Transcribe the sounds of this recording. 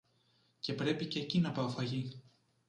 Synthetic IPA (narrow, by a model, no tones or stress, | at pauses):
ce̞pɾe̞pice̞ːcinɐpɐofɐʝi